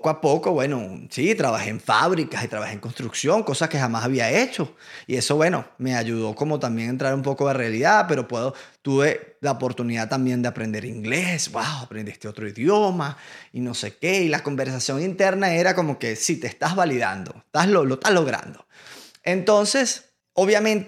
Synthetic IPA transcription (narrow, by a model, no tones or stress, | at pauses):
pokoapo̞ko̞βwe̞no̞sit̪ɾaβaxe̞eɱfa̰βɾikasit̪ɾaβaheŋko̞nst̪ɾuksjo̞ŋko̞saske̞xamasaβiae̞t͡ʃo̞ie̞so̞βwe̞no̞̰me̞aʝuð̞o̞ko̞mo̞t̪ambje̞ŋent̪ɾaɾumpo̞ko̞ðe̞realiðaðpe̞ɾo̞pwe̞ðo̞t̪uβe̞laopo̞ɾt̪uniðaðt̪ambje̞nd̪eapɾe̞nd̪e̞ɾiŋɡle̞sbwawapɾend̪ist̪e̞o̞t̪ɾoiðjo̞maino̞se̞keilako̞mbe̞ɾs̬asjo̞ŋint̪e̞ɾnae̞ɾako̞mo̞ke̞sit̪eːst̪azβaliða̰nd̪o̞̰et̪aslolo̞t̪alo̞ɣɾa̰nd̪o̞ | ent̪o̞nse̞s | o̞βjamẽ̞nt̪